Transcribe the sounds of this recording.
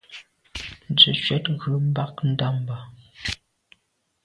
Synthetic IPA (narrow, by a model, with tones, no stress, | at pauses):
n̩˨d͡zʉ˨t͡ʃwɛ˦tɣʉ˨˦m̩˦ba˦k̚n̩˦da˦m˨ba˨